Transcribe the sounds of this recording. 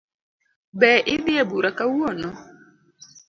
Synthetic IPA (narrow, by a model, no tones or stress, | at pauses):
bɛʔɪd̪ɪebuɾakawonɔ